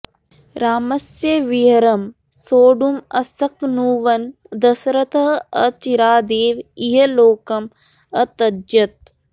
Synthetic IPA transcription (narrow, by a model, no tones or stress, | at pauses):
ɾaːmɐsjɐʋiɦɐɾɐm | soːɖumɐ̰sɐknuːʋɐn | d̪ɐsɾɐt̪ɐɦɐt͡ʃiɾaːd̪eːʋiɦɐloːkɐm | ɐt̪ɐd͡ʒɐt̪̚